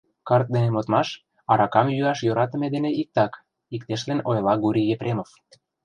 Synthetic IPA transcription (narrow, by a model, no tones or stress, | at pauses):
kɑrt̪̚d̪enemot̪mɑʃ | ɑɾɑkɑmjyɑʃjoɾɑt̪ə̆med̪eneʔik̚t̪ɑk | ikt̪eʃlenojlɑɡuɾʲijepɾʲemof